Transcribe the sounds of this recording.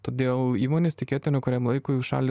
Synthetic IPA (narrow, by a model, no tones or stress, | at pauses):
t̪oːd̪ʲeːlˠiːmoːnʲeːst̪ʲɪkʲeːt̪ʲɪnʲʊkʊɾʲɛmlˠɐɪkoːjuʃɑ̰ːlʲɪ